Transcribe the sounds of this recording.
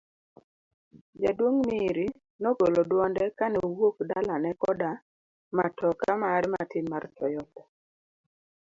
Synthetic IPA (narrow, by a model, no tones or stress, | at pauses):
d͡ʒadwoŋmiɾi | nɔɡolɔdwɔndɛkanɛowokdalanɛkɔda | matɔkamaɾma̰tinmart͡ʃɔjɔtɛ̥